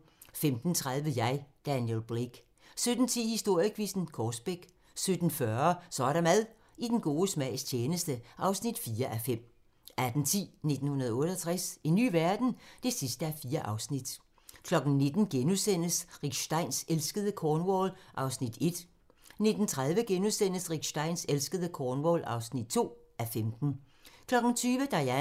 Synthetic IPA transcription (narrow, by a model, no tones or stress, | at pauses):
femd̥n̩t͡sʰʁaðˠʋəjɑ̈ɪd̥ænjelb̥ʁeɡ̥ | sød̥n̩t͡sʰḭːhisd̥o̝ɐ̰jəkʰʋisn̩kʰɒːsb̥eɡ̥ | sød̥n̩fɶɐsɒɾɑmæðˠ | id̥enɡ̥o̝ːəsmæɪst͡ɕʰeːnəsd̥əʔɑ̈ʊsnid̥fiːɐʔæfem̰ | ʔæd̥n̩t͡sʰḭːne̝d̥n̩hunɐðˠɔ̽ːɾəɒt͡sʰʁasiny̰ːʋæɐd̥n̩d̥e̝sisd̥əæfiːɐʔɑ̈ʊsnid̥ | kʰlɒ̽ɡ̥n̩ne̝d̥n̩ɡ̥enusen̰əsʁiɡ̥ɕd̥ɑ̈ɪ̰nselsɡ̥əðˠəkʰɒːnʋɔlʔɑ̈ʊsnid̥e̝d̥ | ne̝d̥n̩t͡sʰʁað̞ˠʋəɡ̥enusen̰əsʁiɡ̥ɕd̥ɑ̈ɪ̰nselsɡ̥əð̞ˠəkʰɒːnʋɔːlʔɑ̈ʊsnid̥̚t͡sʰo̝̰ː | æfemd̥n̩ | kʰlɒ̽ɡ̥n̩t͡sʰyːʋəd̥ɑ̈æ